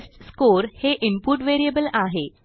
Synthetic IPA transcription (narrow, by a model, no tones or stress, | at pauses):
sʈskoɾheʔimpuːʈʋeɾijəbəlaɦe